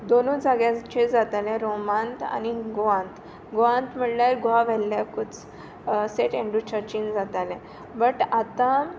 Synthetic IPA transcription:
d̪onod͡zaɡjat͡ɕed͡zat̪alɛ̃ɾomãnt̪a̰niɡoãnt̪ | ɡoʋãnt̪m̤əɽlaɾɡoaʋɛlːjakut͡s | seʈẽɳɖut͡ɕəɾt͡ɕind͡zat̪alɛ̃ | bəʈat̪ã

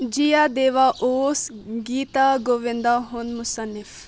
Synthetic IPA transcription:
d͡ʒijaːd̪eːʋaʔoːsɡiːt̪aːɡoːʋɪ̃nd̪aːɦʊnmʊsənːɪf

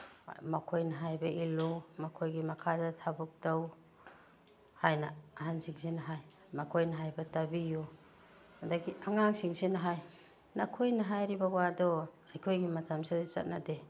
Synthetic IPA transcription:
makʰojnaɦajbɐʔilumakʰojɡimakʰadatʰabuk̚taw | hajnaaɦansiŋsinaɦaj | makʰojnaɦajbɐtabiju | hadaɡiʔaŋaŋsiŋsinaɦaj | nakʰojnaɦajɾibawadɔ | ajkʰojɡimatʰamsadit͡ʃa̰t̚nade

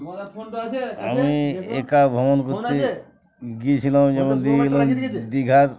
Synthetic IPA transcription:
a̰miḛkabʱɔmɔnkɔɾt̪e | ɡit͡ʃʰilãwd͡ʒɛmɔnd̪iilɔmd̪iɡʱaɾ

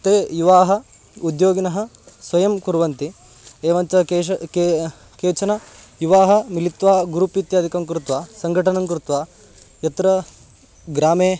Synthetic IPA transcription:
t̪eːjuʋaːɦɐ̆ | ud̪joːɡinɐɦɐ̆ | sʋɐjɐmkuɾʋɐnt̪i | eːʋɐɲt͡ʃɐeke | keːt͡ʃɐnɐjuʋaːɦɐ̆milit̪ʋaːɡuɾupit̪jaːd̪ʱikɐmkɾut̪ʋaːsɐŋɡʱɐʈɐnɐmkɾut̪ʋaː | jɐt̪ɾɐ | ɡɾaːmeː

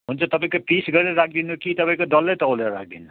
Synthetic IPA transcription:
ɦunt͡sʰʌt̪ʌpaĩkopisɡʌɾeɾʌɾak̚ʰd̪inukit̪ʌpaĩkod̪ʌlːejt̪ʌwleɾʌɾa̰k̚ʰd̪ḭnu

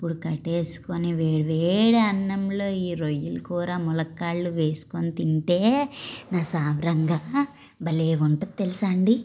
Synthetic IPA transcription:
ipːuɽukɐʈe̞ːsu̥koneʋeːɽɐʋeːɽuɐnːɐmlo̞ːiːɾojːulukuːɾaːmulɐkːaːɭːuʋe̞ːsu̥kont̪iɳʈe̞ːnaːsaːʋɾɐŋɡaː | bɐleːʋuɳʈɐd̪̚t̪elisaːɳɖi

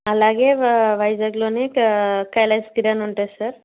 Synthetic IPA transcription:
alaɡeʋajzaɡlonikkajlajskiɾanuɳʈesəɾ

